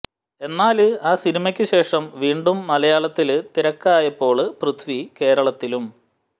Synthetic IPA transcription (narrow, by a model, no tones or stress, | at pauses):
e̞nːaːlɨaːsinimɐkʲːɨɕe̞ːʂɐmʋiːɳɖumːɐlɐjaːɭɐt̪ːilɨt̪iɾɐkːaːjɐpːo̞ːɭɨprut̪ʰʋike̞ːɾɐɭɐt̪ːilum